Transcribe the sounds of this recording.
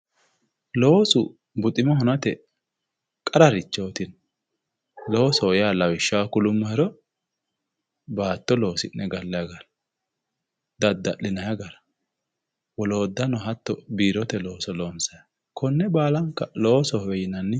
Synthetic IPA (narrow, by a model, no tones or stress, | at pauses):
lo̞ːsʊ | bʊt̪ʼɪmɔhʊnɐt̪ɛ | kʼɐɾɐɾɪt͡ʃːo̞ːt̪ɪn | lo̞ːsɔjaːlɐwɪʃːakʊlʊmːɐhɪɾɔ | baːt̪ːɔlo̞ːsɪnːɛɡɐlːɐjɡɐɾɐ | d̪ɐd̪ːɐʔɪnɐjɐɡɐɾɐ | wɔlo̞ːd̪ːɐnɔɦɐt̪ːɔbiːɾɔt̪ɛlo̞ːsɔlo̞ːnsɐj | kʰɔnːɛbaːlɐŋkːɐlo̞ːsɔhɛjɪnɐnːɪ